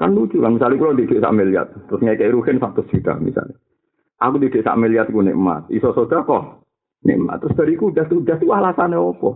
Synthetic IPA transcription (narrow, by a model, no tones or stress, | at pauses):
kanlu̥d͡ʒukanmisalikulɔt̪id̥eʔsa̰ʔmelia̰t̪̚ːɾʊsŋakɛiɾuhɪnsaʔ̚t̪ʊsik̪a̰mḭsa̰li | ʔakut̪id̥eʔsa̰ʔmeliat̪̚kunɪ̰ʔəma̰t̪̚isɔsod̥akɔh | nɪ̰ʔəma̰t̪ːɾʊsd̪̥a̤ɾikud̪̥at̪ud̪̥at̪uwahlasaneɔpɔ